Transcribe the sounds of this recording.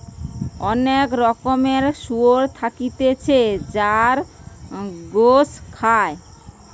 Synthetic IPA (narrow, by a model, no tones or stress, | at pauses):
ɔnekɾɔkomeɾʃuoɾt̪ʰakit̪et͡ɕʰed͡ʑaɾ | ɡoskʰae